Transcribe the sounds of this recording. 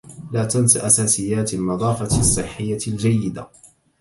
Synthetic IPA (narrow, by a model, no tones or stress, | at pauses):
laːt̪ansaʔasaːsɪjːaːt̪alnɨðˤɑːfɑsˤːɨħːɪjːald͡ʒajːɪd̪a̰